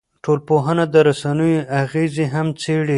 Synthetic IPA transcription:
ʈolpoɦənad̪əɾasanəjoʔaɣezeɦamt͡seɽi

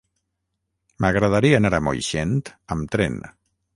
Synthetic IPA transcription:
məɣɾəðaɾianaɾamo̰jʃent̪əmt̪ɾɛ̰n

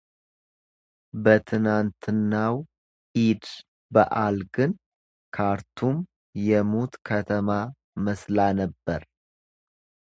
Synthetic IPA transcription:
bət̪ʰɨnant̪ʰɨnːaw | ʔid̪ | bəʔalɡɨn | kʰaɾt̪ʰum | jɛmot̪kʰət̪ʰəma | məslanəbːəɾ

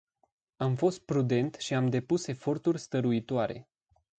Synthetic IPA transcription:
amfo̞st̪̚pɾud̪e̞nt̪ʃiamd̪e̞puse̞fo̞rt̪urʲst̪əɾuit̪oaɾe̞̰

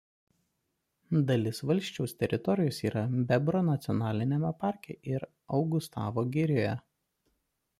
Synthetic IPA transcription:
d̪ɐlʲɪsʋɐlʲʃʲt͡ʃʲɛʊsʲt̪ʲɛɾʲʔɪt̪ɔɾʲɪjoːsiːɾɐbʲɛbɾonɐt̪sʲɪɔnɑːlʲɪnʲɛmʲɛpɑˑɾʲkʲḛːʔɪɾ | ɒʊɡʊst̪ɑːʋoɡʲɪɾʲoːjɛ

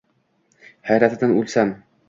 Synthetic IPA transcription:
hæjɾæt̪ɘ̆d̪ænʉlʲsæm

